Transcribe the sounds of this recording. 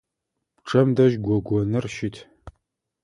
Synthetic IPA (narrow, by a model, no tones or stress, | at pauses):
ʈ͡ʂʰʼɐmdɐʒɡʷɔɡʷɔnɨrʃɪtʰ